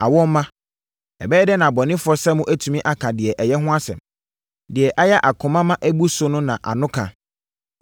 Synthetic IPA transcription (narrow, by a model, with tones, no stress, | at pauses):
a˨wɔ˦m˦mã˦ | ɛ̰˨bɛː˦dɛ˦nã˨bɔ˨nɪ̃˦fʊ˦ɔ˦sɛ˦mʊ̃˦ʔæ˦tʰu˨mĩ˦ʔa˨kʰã˨dɪ˨ɛ˨ʔɛ˨jɛ˦ɦʊ̃˦a˦sɛ̰̃˨m | dɪ˨ɛ˨ʔa˦jɛ˦ʔa˨kʰʊ̃˨mã˦mã˦ʔæ˦bu˦sʊ˦nʊ̃˦nã˨ʔa̰˨nʊ̃˦kʰã̰˨